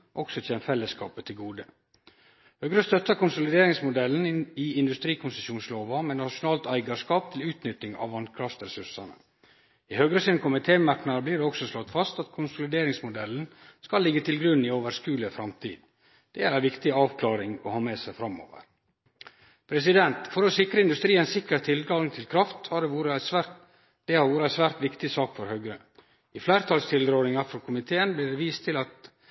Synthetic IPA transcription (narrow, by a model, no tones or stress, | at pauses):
ʔɔksɔc͡çʰɛːnəfɛlːəskɑ̰ːpət̪ʰɪlɡuːd̪ə | høːɡɾəst̪œt̪ːɑkʊnsʊlɪd̪eːɾɪŋsmʊd̪ɛln̩ɪɪnd̪ʉst̪ɾiːkʰʊnsəsuːnsloːʋɑmeːnɑʃʊnɑːlt̪æɪɡɑʂkɑːp̚t̪ʰɪlʉːt̪nʏt̪ːɪŋɑ̰ʋɑnkʰɾɑft̪ɾɛsʉɾʂɑnə̰ | ɪhøːɡɾəsɪnkʰʊmɪt̪ʰeːmɑɾknɑbliːɾɖɛɔksɔslɔt̪fɑst̪ɑt̪kʰʊnsʊlɪd̪eːɾɪŋsmʊd̪ɛln̩skɑlːɪɡːət̪ʰɪlɡɾʉnːɪoːʋəɾskʉːləfɾɑmt̪ʰḭːd̪ | d̪̥ɛæɾæʋɪkt̪ɪɑːʋkʰlɑːɾɪŋɔhɑːmeːsæɪfɾɑmo̰ːʋə̰ɾ | pʰɾɛs̬ɪd̪ɛnt̪fɔɾɔsɪkɾəɪnd̪ʉst̪ɾiːənsɪkəɾt̪ʰɪld̪ɾɑːlɪŋt̪ʰɪlkʰɾɑft̪hɑɖɛʋuːɾəæsæ | d̪̥ɛhɑɾʋuːɾəæɪsʋæːɾt̪ʋɪkt̪ɪsɑːkfɔɾhœɡɾə | ɪflæɪɾt̪ʰɑlst̪ʰɪld̪ɾoːlɪŋɑɾfɔɾkʰʊmɪt̪ʰeːənbliːɖɛʋiːst̪ʰɪlɑt̪